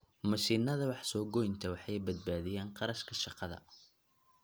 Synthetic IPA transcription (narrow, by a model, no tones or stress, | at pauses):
mɐʃiːnɐðɐwɑħsɔːɡɔjnt̪ʰɐwɑħɑjbɐd̪̚baːðɪjaːɴqɑɾɐʃkʰɐʃɑqɑðɐ̰